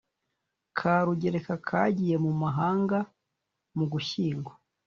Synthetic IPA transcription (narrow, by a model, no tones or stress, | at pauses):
kʰaɾuɟe̞ɾekakʰaːɟije̞mumaɦaːŋɡa | muɡuçiːŋɡwo